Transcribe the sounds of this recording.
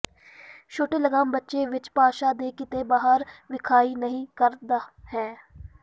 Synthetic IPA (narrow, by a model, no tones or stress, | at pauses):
ʃʰoːʈeːləɡaːmbətːʃeːʋɪt͡ʃpaːʃaːd̪eːkɪt̪eːbaːɦəɾʋɪkʰaːiːnəɦĩːkəɾd̪aːhɛː